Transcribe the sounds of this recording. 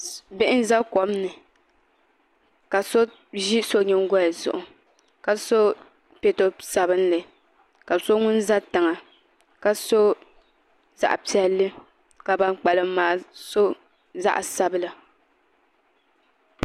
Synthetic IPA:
bɪ˦ʔɪ˦n˦za˦kɔ˨mnɨ˨ | ka˨so˦ | ʒi˦so˦ɲɛ˦ŋ˦ɡɔ˦ja˨zʊ̰˨ʔʊ˨ | ka˨so˦ | pe˨to˦sa˨bɨ˦n̩˦lɨ˨ | ka˨so˦ŋʊ˦n˦za˦tɨ˨ŋa˨ | ka˨so˦ | za̰˨ʔpi˦ɛ˨lːɨ˦ | ka˨ba˦ŋk͡pa˨lɨ˦m˦maː˨so˦ | za̰˦ʔsa˦bɨ˦la˨

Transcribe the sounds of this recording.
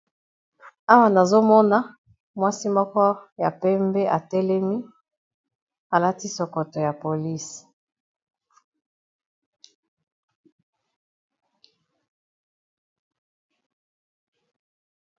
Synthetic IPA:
a˦wa˨na˨zo˦mɔ˦na˦ | mwa˦si˦mɔ˦kɔ˦ja˨pɛ˦mbɛ˦ʔa˨tɛ˦lɛ˦mi˦ | a˨la˦ti˦sɔ˨ko˨to˨ja˨po˨li˦s

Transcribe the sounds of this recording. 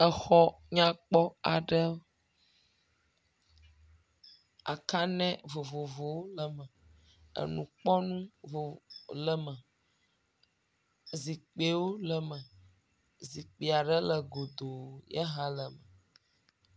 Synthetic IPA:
ə˨xɔ˦ | ɲã˦k͡pɔ˦a˨ɖə˦ | a̰˨ka˦nɛ̃˦vo˨vo˨vo˨wo˦lə˨mə˨ | ə̰˨nũ˨k͡pɔ˦nũ˦vo˨lə˨mə̃˨ | zi˨k͡pe˨wo˦lə˨mə̃˨ | zi˨k͡pe˨a˨ɖə˦lə˨ɡo˨d̪o˨jə˦ɦã˦lə˨mə˨

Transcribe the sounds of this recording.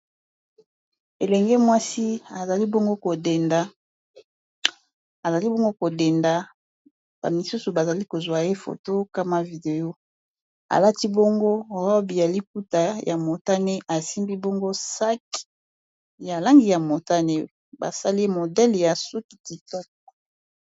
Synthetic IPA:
e˨lɛ˨ŋɡe˦mwa˦si˦a˨za˨li˦bo˦ŋɡo˦ko˨de˨nda˨ | a˨za˨li˦bo˦ŋɡo˦ko˨de˨nda˨ | ba̰˨mi˨su˦su˨ba˨za˨li˦ko˨zwa˨je˦fo̰˨to˦ka˦ma˦vi˨de˨jo˦ | a̰˨la˦ti˦bo˦ŋɡo˦ʁɔ˦bi˨ja˨li˦p̚u˦ta˨ja˨mo˨ta˦ne˦ʔa˨si˦mbi˦bo˦ŋɡo˦sa˦k | ja˨la˦ŋɡi˨ja˨mo˨ta˦ne˦ | ba̰˨sa˦li˦e˦mo˨dɛ˦lja˨su˦ki̥˨ki˨tɔ˦k̚

